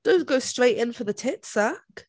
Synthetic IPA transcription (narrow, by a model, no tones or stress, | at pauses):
d̥õʊ̃nɡ̥oʊstɹ̥eɪtɪ̃nfəðətʰɪtsak